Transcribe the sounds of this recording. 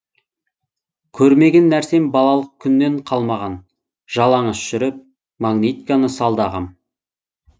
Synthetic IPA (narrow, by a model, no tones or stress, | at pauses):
kʲʰɵɾme̞ɡʲe̞nːæɾse̞mbɑlˠɑlˠəq̚kʲʰʏnːe̞ɴqʰɑlˠmɑʁɑn | ʒ̥ɑlˠɑɴəsʃʏɾɪp̚ | maɡnʲet̪ikanəsɑlˠd̪ɑʁɑm